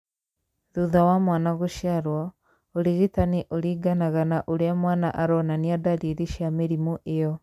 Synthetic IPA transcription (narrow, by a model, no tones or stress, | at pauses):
ðuðawamwaːnaɣuʃijaɾwɔ | oɾiɣitaniʔoɾiːɡanaɣanaʔoɾeamwaːnaʔaɾɔnaniadaɾiðiʃiameɾimuʔejɔ